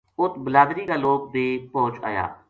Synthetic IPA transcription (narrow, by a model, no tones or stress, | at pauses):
ʊt̪ʰbəlaːd̪ɾiːkaːloːp̚d̪eːpoːt͡ʃa̰ːja̰ː